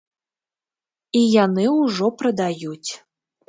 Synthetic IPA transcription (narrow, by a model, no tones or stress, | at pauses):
ijanɨuʐɔpɾɐd̪ajut͡sʲ